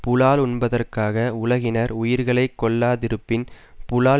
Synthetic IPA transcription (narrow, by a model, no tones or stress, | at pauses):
pʊlaːlʊɳbɐðɐrkaːɣɐʊlɐɣɪnɐɾʊjɪɾɣɐɭɐɪkːɔɭːaːðɪɾɯpːɪn | pʊlaː